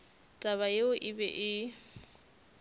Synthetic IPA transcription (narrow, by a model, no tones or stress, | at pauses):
tʼaβajeʊʔɪbɛ̰ʔɪ